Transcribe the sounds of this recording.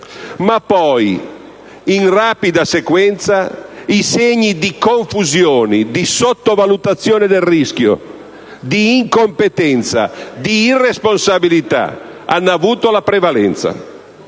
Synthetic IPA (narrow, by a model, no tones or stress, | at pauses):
mapːɔj | inraːpid̪asekwɛnt̪saiseɲːid̪ikoɱfuzjoːnid̪isot̪ːovalut̪at̪sːjoːned̪elrisk̟jo̰ | d̪iːŋkompet̪ɛnt̪sa̰d̪iːrːesponsabilit̪a̰a̰nːavuːt̪olapɾevalɛnt̪sa̰